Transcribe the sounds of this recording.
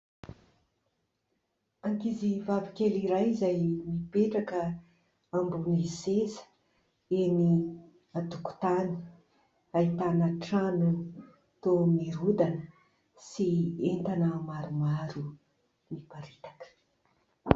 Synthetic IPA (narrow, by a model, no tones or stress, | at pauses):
aŋkizivavikʲeliɾajizajmipeʈ͡ʂakə | ambunisezə̥ | eni | at̪uku̥t̪ani̥ | ait̪anəʈ͡ʂanan | t̪omiɾud̪anə | sient̪anəmaɾumaɾu | mipaɾi̥t̪ḁkə̥